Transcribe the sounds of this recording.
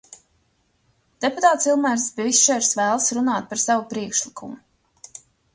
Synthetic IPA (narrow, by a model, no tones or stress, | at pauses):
d̪̥eput̪aːt̪silˠmæɾspʲiɛvist͡ʃɛɾsvæːlˠsɾunaːt̪̚paɾsavupɾiɛkʃlˠikʰumu